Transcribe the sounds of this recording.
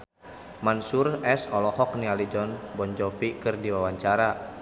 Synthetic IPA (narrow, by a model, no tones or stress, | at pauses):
mansurɛsɔlɔhɔk̚nialid͡ʒɔnbɔɲd͡ʒɔfikɨrdiwawaɲt͡ʃaɾa